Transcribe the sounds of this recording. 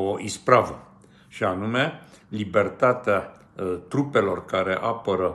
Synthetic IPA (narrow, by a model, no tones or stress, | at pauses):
oʔispɾavə | ʃianume̞libe̞rt̪at̪ea | t̪ɾupe̞lo̞rkaɾe̞ʔapəɾə